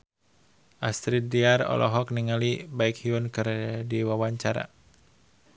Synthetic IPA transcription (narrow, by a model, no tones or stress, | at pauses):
ʔast̪ɾidiarɔ̰lʔɔ̰ɦɔk̚niŋalibaikhiunkɨrdiwawaɲt͡ʃaɾa̰